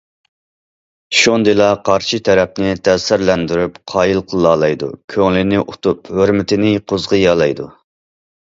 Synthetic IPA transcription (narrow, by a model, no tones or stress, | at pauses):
ʃond̪ɨlˠɑqʰɑɾʃit̪ʰɛɾɛp̚nɪt̪ʰɛsɪɾlɛnd̪yɾypqʰɑːjilˠqʰəlˠːɑːlˠɑjd̪ṵkʲʰøŋlɪnɪʔut̪uphøɾmɪt̪ʰɪnɪqʰʊzʁəjɑlˠɑjd̪u